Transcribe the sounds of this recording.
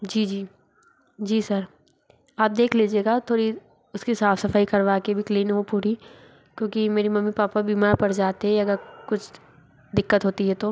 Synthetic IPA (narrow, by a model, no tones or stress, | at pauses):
d͡ʒiːd͡ʒiː | d͡ʒiːsɐɾ | aːp̚d̪eːkʰleːd͡ʒieːɡaːt̪ʰoːɾi | ʊskisaːfʰsɐfaːikɐɾʋaːkebʱikliːnɦopuːɾi | kjõːkimeːɾimɐmːipaːpabimaːɾpɐɾd͡ʒaːt̪eɦɛɐɡəɾkʊt͡ʃʰ | d̪ɪkːət̪ɦoːt̪iɦɛt̪oː